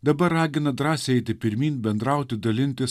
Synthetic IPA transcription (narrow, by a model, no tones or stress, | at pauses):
d̪ɐbɐɾːɑːɡʲɪnɐd̪ɾɑːsʲɛɛɪt̪ʲɪpʲɪɾʲmʲiːnbʲɛnd̪ɾɐʊt̪ʲɪd̪ɐlʲɪnʲt̪ʲɪs